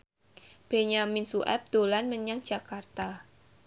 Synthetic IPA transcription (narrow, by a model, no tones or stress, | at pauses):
b̥e̤ɲaminsuʔɛ̰p̚d̪̥olanməɲaŋd͡ʒ̥a̤kart̪a